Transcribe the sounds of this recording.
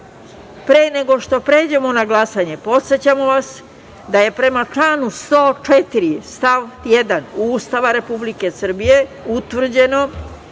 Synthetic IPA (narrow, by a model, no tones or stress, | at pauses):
pɾeːne̞ɡo̞ʃt̪o̞pɾe̞ːd͡ʑe̞mo̞naɡlˠasaɲe̞po̞t̪set͡ɕamo̞ʋas | d̪aje̞pɾe̞mat͡ʂlaːnust̪o̞ːt͡ʂet̪iɾist̪aʋt̪jed̪anuːst̪aʋaɾe̞publike̞sr̩bijeut̪ʋr̩d͡ʑe̞no̞